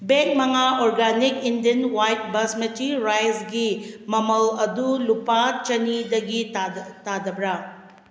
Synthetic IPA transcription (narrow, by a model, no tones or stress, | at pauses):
beŋk̚mɐŋaoɾɡanikindɐnwajt̚bɐsmetɾiɾajzɡimɐmɐlɐdulupat͡ʃɐnidɐɡitadɐbɾa